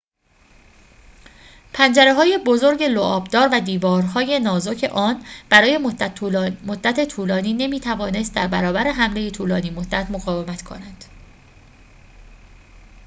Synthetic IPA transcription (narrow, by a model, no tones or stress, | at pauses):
pʰænd͡ʒæɾe̞ɦɒːje̞bo̞zo̞ɾɟe̞loʔɒːbd̪ɒːɾvæd̪iːvɒːɾɦɒːje̞nɒːzo̞cʰe̞̰ʔɒːnb̥æɾɒːje̞ | mod̪ːæt̪ʰe̞t̪ʰuːlɒːniːne̞miːt̪ʰævɒːne̞st̪̚d̪æɾbæɾɒːbæɾe̞ɦæmle̞jet̪ʰuːlɒːniːmod̪̥ːæt̪ʰmoɣɒːvemæt̪kʰo̞̰nænd̪̥